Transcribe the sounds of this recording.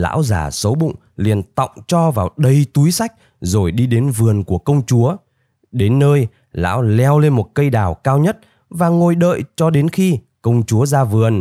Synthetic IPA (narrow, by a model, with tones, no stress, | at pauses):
la̰ː˧˥wza̰ː˧˩sə˨˦wɓʊ̰˧˨ŋ͡m | li˨˩ənt̪ɔ̰˧˨wŋ͡mt͡ɕɔ˧vaː˨˩wɗə˧˩jt̪u˨˦jsa˦˥k̚ | zo˨˩jɗi˧ɗe˨˦nvɨ˨˩ənku˧˩əkə˧wŋ͡mt͡ɕu˨˦ə | ɗe˨˦nːəː˧j | la̰ː˧˥wlɛ˧wle˧nmo˨˩t̚kə˧jɗaː˨˩wkaː˧wɲə˦˥t̚ | vaː˨˩ŋo˨˩jɗə̰ː˧˨jt͡ɕɔ˧ɗe˨˦nxi˧ | kə˧wŋ͡mt͡ɕu˨˦əzaː˧vɨ˨˩ən